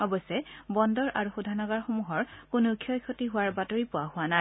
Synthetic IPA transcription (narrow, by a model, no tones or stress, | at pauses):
ɔbɔsɛbɔndɔɹʔa̰ɹuxudʱanɔɡaɹxomuɦɔɹkʊnukʰijɔjkʰotiɦʊwaɹbatoɹipʊahʊwanaj